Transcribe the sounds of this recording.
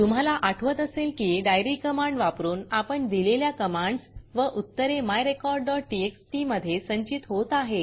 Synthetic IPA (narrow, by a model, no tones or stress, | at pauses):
t̪um̤alaʔaʈʰʋət̪əselkiɖajɾikəmãɳɖʋapɾuːnapəɳd̪ileljakəmaɳɖsʋəʔut̪ːəɾemajɾekɔɾɖɖɔʈ̚ʈieksʈiməd̪ʱjesəɲt͡ɕit̪ɦot̪aɦe